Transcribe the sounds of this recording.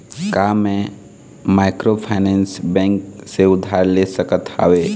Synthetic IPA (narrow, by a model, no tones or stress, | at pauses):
kamẽ | maːɪkɾopʰaɪnɛ̃nsbɛ̃ːŋkseʊd̪ʱːaːɾlesəkət̪a̰ːʋeː